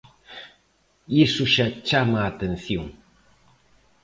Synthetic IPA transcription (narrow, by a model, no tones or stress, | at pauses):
isuʃat͡ʃamaːt̪enθiŋ